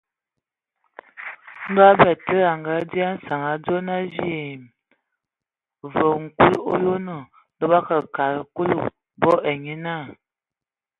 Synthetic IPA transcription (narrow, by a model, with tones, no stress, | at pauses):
n̩˦dwa˦bɛ˨tə˦a˨ŋɡa˨˦di˦a˦n̩˦sa˨ŋa˨d͡zo˦na˦zi˦e˨m | və˨ŋ̩˨ku˦lo̰˦jo˦no˨ | də˦ba˦kə˨ka˨ɾku˦lu˦˨ | bɔ˦e˨ɲi˦na˦˨